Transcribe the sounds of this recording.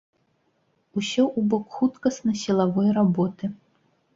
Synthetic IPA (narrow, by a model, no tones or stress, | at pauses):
usʲɔʔubɔkxut̪kɐsnɐsʲilˠavɔjrabɔt̪ɨ